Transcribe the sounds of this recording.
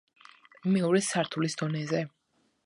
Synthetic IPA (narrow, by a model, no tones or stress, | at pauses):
miuɾisaɾt̪ʰulisd̪ɔnɛzɛ